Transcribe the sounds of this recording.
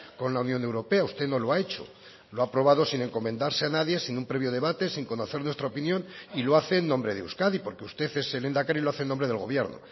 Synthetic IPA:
ko̞nlaunjõ̞ne̞wɾo̞pe̞aust̪eno̞lo̞ae̞t͡ʃo̞̰ | loapɾo̞β̞aðo̞sine̞ŋko̞mẽ̞nd̪aɾseanaðje̞sinumpɾeβjo̞ðe̞βat̪e̞siŋko̞no̞θe̞ɾnwe̞st̪ɾaopinjõ̞niloaθe̞ːnːõ̞mbɾe̞ð̞eṵskaðipo̞ɾke̞ust̪e̞θe̞sele̞nd̪akaɾiloaθenːombɾe̞ð̞e̞lɣ̞o̞β̞je̞ɾno̰

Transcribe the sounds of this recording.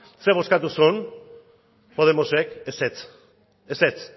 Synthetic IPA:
seβ̞o̞skat̪usun | po̞ð̞e̞mosekeset͡s | eset͡s

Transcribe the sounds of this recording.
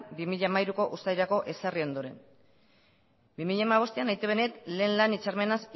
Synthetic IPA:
bimiʎamajɾuko̞ʔust̪ajɾako̞ʔe̞sario̞nd̪o̞ɾe̞̰n | bimiʎamaβ̞o̞st̪ianajt̪uβe̞ne̞t̪le̞ːnlanit͡ʃarme̞nas

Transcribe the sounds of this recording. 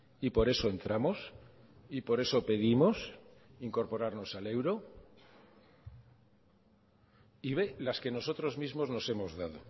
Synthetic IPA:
ipo̞ɾe̞soe̞nt̪ɾamo̞s | ipo̞ɾe̞so̞pe̞ðimo̞siŋko̞ɾpo̞ɾaɾno̞sale̞wɾo̞ | iβe̞laske̞no̞so̞t̪ɾo̞zmizmo̞zno̞se̞mo̞zðað̞o̰

